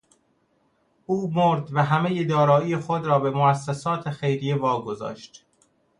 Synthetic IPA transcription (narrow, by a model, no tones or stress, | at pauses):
ʔuːmoɾd̪væɦæme̞jed̪ɒːɾɒːiːjexod̪ɾɒːbe̞moæsːesɒːt̪ʰexe̞jɾijevɒːɡo̞zɒ̰ːʃt̪